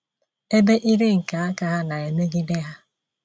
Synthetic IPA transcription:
e˦be˦ʔi˦ɾe˦ŋ̩˨ka˨a˦ka˦ɦa˦na˨e˨me˦ɡi˦de˦ɦa˦

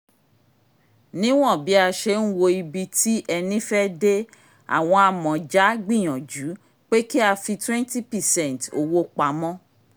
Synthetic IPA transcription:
nĩ˦w̃ɔ̃˦˨bi˨˦a˧ʃe˧˦n̩˦wo˧i˧bi˧ti˦ʔɛ˧nĩ˦fɛ˦de˦ | a̰˨w̃ɔ̃˧a˧mɔ̃˨d͡ʒa˨˦ɡ͡bĩ˦˨j̃ɔ̃˨d͡ʒu˨˦ | k͡pe˦ki˦a˧fi˧twɛ̃˦nti˦pɛ˨sɛ̃˦˨n˨to̰˨wo˦k͡pa˨˦mɔ̃˦

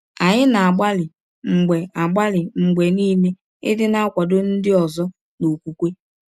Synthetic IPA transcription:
a˨ɲɪ˦na˨a˨ɡ͡ba˦lɪ˨ | ŋ͡m̩˨ɡ͡be˨a˨ɡ͡ba˦lɪ˨ŋ͡m̩˨ɡ͡be˨niː˦ne˦ | ɪ̰˦dɪ˦na˦a˦kʷɔ˨dʊ˦n̩˦dɪ˦ɔ˨zɔ˦ | no˨kʷu˦kʷe˦

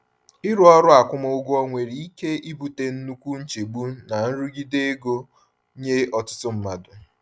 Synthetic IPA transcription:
ɪ˦ɾu˦ɔ˦ɾʊ˦a˨kʷʊ˦ma˦ʊ˦ɡɔ˦ŋʷe˨ɾi˨i˦ke˦i˦bu˨te˦n̩˦nu˦kʷu˦n̩˦t͡ʃe˨ɡ͡bu˦na˨n̩˦ɾu˦ɡi˦de˦ɡo˦ | ɲe˦ɔ˨tʊ̥˦tʊ˦m̩˦ma˨dʊ˨

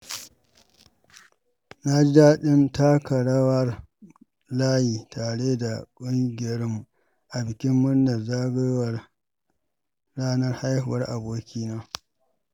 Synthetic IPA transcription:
na˦d͡ʒi˦daː˦ɗɪ˦nta˦kɐ˨ɽɐ˦wɐ˦r | laː˦jiː˨taː˨ɽeː˦da˨kʷʼʊ˦ŋɡʲɪ˨jɐ˦ɽɪ˦mːu˨ | ʔa˨bɪ˨kʲɪ˦mːʊ˦nnːɐ˨zaː˦ɡeː˦wɐ˨r | ɽaː˦nɐ˦rha˦jhʊ˨wɐ˦rʔa˨boː˦kʲiː˦naː˦

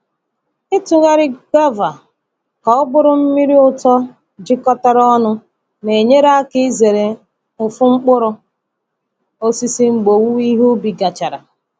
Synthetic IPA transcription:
ɪ˦tʊ˨ɣa˦ɾɪ˦ɡa˦va˨ | ka˨ʊ˦bʊ˦ɾʊ˦m̩˦mi˦ɾi˦ʊ˦tɔ˦ | d͡ʒi˦kɔ˦ta˦ɾɔ˦nʊ˦ | ne˨ɲe˦ɾa˦kɪ˦ze˨ɾe˨ | ʊ˨fʊ˦ŋ͡m̩˦k͡pʊ˦ɾʊ˦ | o˦si˦si˦ŋ͡m̩˨ɡ͡bo˨wu˦i˦ɦu˦bi˨ɡa˨t͡ʃa˨ɾa̰˨

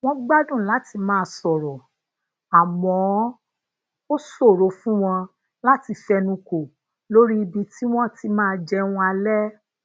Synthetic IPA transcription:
w̃ɔ̃˦ɡ͡ba˦dũ˦˨la˨˦ti˧mãː˦˧sɔ˨ɾɔ˨ | a˨mɔ̃˨˦ | o˦so˦˨ɾo˨˧fũ˦w̃ɔ̃˧ | la˦ti˧fɛ˧nũ˧ko˨ | lo˦ɾi˦i˧bi˧ti˦w̃ɔ̃˦ti˨˦mãː˦˧d͡ʒɛ˧w̃ɔ̃˧a˧lɛ˦

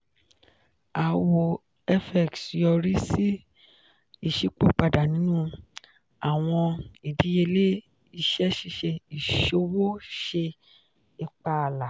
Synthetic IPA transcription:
a˨wo˨ | ɛ˦fɛ˨ksjɔ˧ɾi˦si˦ | i˦˨ʃi˨˦k͡po˦k͡pa˧˨da˨nĩ˨˦nũː˦ | a˨w̃ɔ̃˧i˨di˨˦je˧le˦ | i˧˨ʃɛ˦ʃi˦ʃe˧i˨ʃo˧˦wo˦ʃe˧ | i˧˨k͡pa˧˨la˨

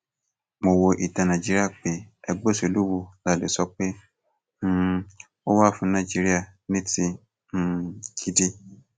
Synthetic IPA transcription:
mo˧wo˧ʔi˨ta˨nã˨d͡ʒi˦ɾi˦a˦˨k͡pe˨˦ɛ˧ɡ͡bo˦˨so˨˧˨lu˦wo˧la˦˨le˨sɔ˧k͡pe˦˧ | o˦wa˦˨fũ˧nã˧˨d͡ʒi˧˦ɾi˦a˦˨nĩ˦tĩ˧˨ | kʰi˦di˧

